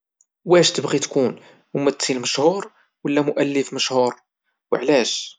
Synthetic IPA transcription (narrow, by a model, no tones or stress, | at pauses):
wæʃt̪əbɣit̪kun | wmæt̪silməʃhuɾ | wəlːæmʊʔælːəfməʃhuɾ | wəʕlæʃ